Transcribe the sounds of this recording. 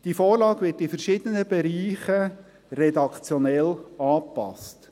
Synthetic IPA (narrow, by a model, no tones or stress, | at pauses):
d̥ifɔːɾlɑːɡʋɪtifəɾʃɪd̥̪ənəbɛɾiːχə | rɛdɑkt͡sjɔnɛlɑːpɑ̰st